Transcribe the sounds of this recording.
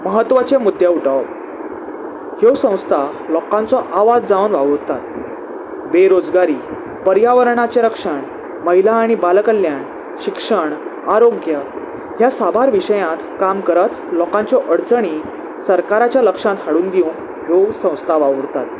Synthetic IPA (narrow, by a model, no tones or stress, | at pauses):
məɦət̪ːʋat͡ɕemud̪ʱːjeuʈə | hewsə̃w̃st̪ʰa | lɔkãnt͡sɔʔaʋad͡zd͡zaunʋaʋəɾt̪at̪ | ʋeɾod͡zɡaɾiː | pəɾjaʋəɾɳat͡ɕeɾəkʂəɳ | məɦilaːɽ̃ibalkəlːjan | ɕikʂəɳaɾoɡjə | ɦjasabʱaɾʋiʂəjãt̪kamkəɾət̪ | lɔkãɲt͡sɔʔəɽt͡səɳ̃i | səɾkaɾat͡ɕjaləkʂãt̪haɽuːnd̪iũn | ɦesə̃w̃st̪ʰaʋaʋəɾt̪at̪̚